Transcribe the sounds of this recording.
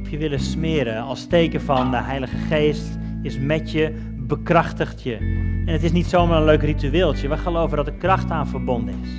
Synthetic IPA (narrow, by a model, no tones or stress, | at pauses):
ɔpʰjəʋɪləsmɪːəɾəɑlˠstejkəfɑndəɦɛjləɣəχeːst | ɪsmɛtjə | bəkrɑχtəχtʰjəɛnətɪsnitsowmaːrənløɥkrityɪːlˠtjəʋəχəlowvədɔtəkrɑχtaːnvərbɔndəɪs